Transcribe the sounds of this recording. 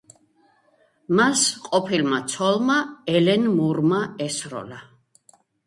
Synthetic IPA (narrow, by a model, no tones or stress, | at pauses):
masqʼɔpʰilmat̪sʰɔlˠmaɛlɛnmuɾmaɛsɾɔ̰la